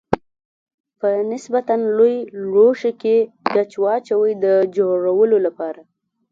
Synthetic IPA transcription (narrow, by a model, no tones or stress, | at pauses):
pənɪsbat̪anlojɽoʃekeɡat͡ʃwɑt͡ʃawəjd̪əd͡ʒoɽawəlolapɑɾa